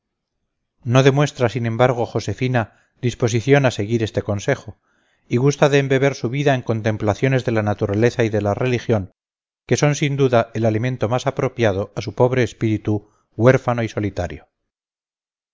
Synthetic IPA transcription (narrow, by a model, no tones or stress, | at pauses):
no̞ðe̞mwe̞st̪ɾasinẽ̞mbaɾɣ̞o̞xo̞se̞fina | ðispo̞s̬iθjo̞nase̞ɣiɾe̞st̪e̞ko̞nse̞xo̞ | iɣust̪aðe̞ːmbe̞βe̞ɾsuβ̞iðaeŋko̞nt̪e̞mplaθjo̞ne̞zðe̞lanat̪uɾale̞θaiðe̞lare̞lixjo̞ŋ | ke̞so̞nsind̪uðae̞lalimẽ̞nt̪o̞masapɾo̞pjað̞o̞asupo̞βɾeːspiɾit̪u | ɣwe̞ɾfanoiso̞lit̪aɾjo